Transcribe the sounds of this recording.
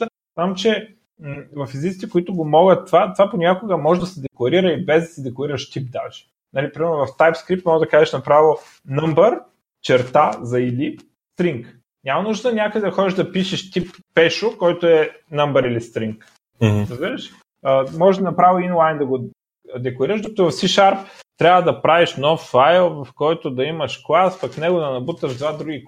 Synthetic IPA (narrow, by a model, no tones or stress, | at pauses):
znamt͡ʃɛ | vɐfizit̪sit̪ɛkoit̪ʊɡomɔɡət̪ːvat̪vaponʲakʊɡəmɔʒɛd̪ɐsɛd̪ɛklˠɐɾiɾəibɛzd̪ɐsɛd̪ɛklˠɐɾiɾəʃt̪ip̚d̪aʒɛ̥ | nɐlipɾimɛɾnʊvɐft̪ajpskɾip̚t̪mɔɡəd̪ɐkaʒɛʃnɐpɾavilˠo | nɤmbəɾ | t͡ʃɛɾt̪azɐili | st̪ɾiŋk | nʲamɐnuʒd̪nɐnʲakəd̪ɛd̪ɐxɔd̪iʒd̪ɐpiʃɛʃt̪ipːɛʃokɔjt̪oɛ | nəmbəɾilist̪ɾiŋk | ɾəzbiɾəʃ | əmɔʒɛʒd̪ɐnɐpɾavinlˠajnd̪ɐɡo | d̪ɛkloɾiɾəʒd̪ukt̪ʊvɐfsiʃaɾpt̪ɾʲabvəd̪ɐpɾaviʃnɔfːajlˠvɐfkɔjt̪od̪ɐimɐʃklˠaspɐkfnɛɡod̪ɐnɐbut̪əʒd̪vad̪ɾuɡʲi